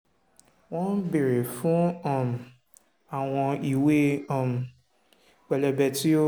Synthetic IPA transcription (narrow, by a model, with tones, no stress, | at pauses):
wɔ̃˦n˦be˨ɾe˨fũ˦ɔ˦˨m˨ | a˨w̃ɔ̃˧i˨we˦ɔ˦˨m˨ | k͡pɛ˨lɛ˨bɛ˨ti˦o˦